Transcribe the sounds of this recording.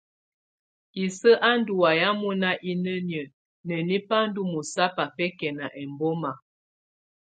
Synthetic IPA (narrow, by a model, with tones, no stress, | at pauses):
i˨sə˦ʔa˦n˦du˨wa˨ja˦mu˦na˦ʔi˦nə˦njə˨ | nə˨ni˦pa˦n̩˦du˦mu˨sa˦pa˨fɛ˦kɛ˨na˨ʔɛ˨mbɔ˦ma˨